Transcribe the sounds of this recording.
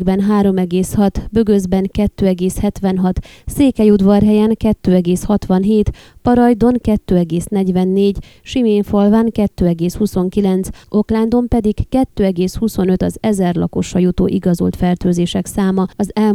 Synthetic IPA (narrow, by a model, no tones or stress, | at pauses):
ɡbɛnɦaːɾo̞mɛɡeːshɒt̪bø̞ɡøzbɛŋkɛt̪ːøːɛɡeːshɛt̪ʋɛnɦɒt̪seːkɛjud̪ʋɒrɦɛjɛŋkɛt̪ːøːɛɡeːshɒt̪ʋɒnɦeːt̪ | pɒɾɒjd̪o̞ŋkɛt̪ːøːɛɡeːsn̪ɛɟʋɛnːeːɟ | ʃimeːɱfo̞lvaːŋkɛt̪ːøːɛɡeːshuso̞ŋkilɛnt̪sʔo̞kland̪o̞mpɛd̪ikkɛt̪ːøːɛɡeːshuso̞nøt̪ɒzɛzɛrlɒ̰ko̞̰ʃːɒjut̪o̰ːʔiɡɒzo̰lt̪fɛrt̪øːzeːʃɛksaːmɒɒzɛl